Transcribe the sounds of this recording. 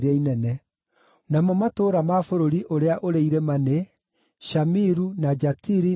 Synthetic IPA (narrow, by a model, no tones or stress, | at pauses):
ɾɛinɛnɛ | namɔmatoːɾamafoɾoɾiʔoɾeaʔoɾeiɾemane | ʃamiɾunad͡ʒatiɾi